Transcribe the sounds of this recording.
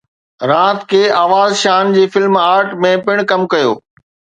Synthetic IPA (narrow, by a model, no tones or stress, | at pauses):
ɾãːt̪kʰeːaːʋaːzʃaːnd͡ʑeːfɪlmaːɾʈmẽpɪɽ̃kɐmkɐjo̰ː